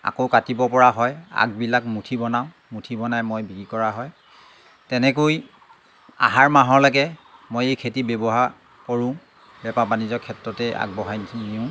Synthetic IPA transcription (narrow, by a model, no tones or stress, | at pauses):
a̰kokatibɔpɔɹaɦɔja̰ɡ̚bilakmutʰibɔnaʊ̃ | mutʰibɔnajmojbiɡikɔɹaɦɔj | tɛnɛkoj | a̰ɦaɹmaɦɔɹlaɡɛmojejkʰetibɛbɔɦaɹ | koɹʊ̃ | bɛpapanizɔkʰɛtɹɔtɛa̰ɡ̚bɔɦajnʰniʊ̃